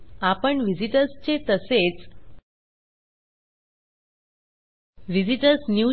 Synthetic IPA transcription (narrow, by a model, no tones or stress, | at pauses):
apəɳʋid͡ʑiʈəɾst͡ɕet̪əset͡s | ʋid͡ʑiʈəɾsnju